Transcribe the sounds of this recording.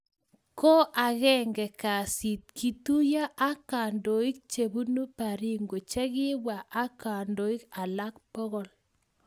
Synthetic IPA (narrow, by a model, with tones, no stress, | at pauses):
ko˦ʔa˨ɣɛ˦ŋɡɛ˨ka˨si˨t̚kʰi˨tu˦ja˦ʔa˦ka˨ndo˨i˦k̚t͡ʃe˨βu˦nu˦pa˨ɾi˦ŋɡo˨t͡ʃɛ˦ɣɪ˦βwa˨ʔa˦ka˨ndo˨i˦ka˨la˦k̚pɔ˦ɣɔ˦l